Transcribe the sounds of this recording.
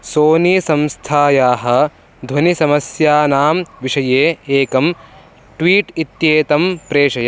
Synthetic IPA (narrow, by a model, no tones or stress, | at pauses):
soːniːsɐmst̪ʰaːjaːɦɐ̆ | d̪ʱwɐnisɐmɐsjaːnaːmʋiʂɐjeːeːkɐm | ʈʋiːʈit̪jeːt̪ɐmpɾeːʂɐja